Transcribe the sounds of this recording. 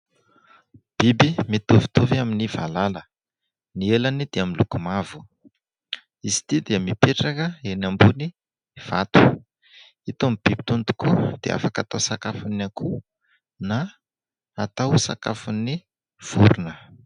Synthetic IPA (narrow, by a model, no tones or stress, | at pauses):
b̥ibimit̪ovi̥t̪oviaminiva̰lalə | nielanid̪̥eaminlukumavu | izi̥t̪id̪eamipeʈ͡ʂakəenambuni | v̥at̪u̥ | it̪omib̥ib̥it̪unt̪u̥kud̪̥ḛʔa̰fakat̪awsakafunaku | na | at̪awsa̰ka̰funi | v̥uɾunə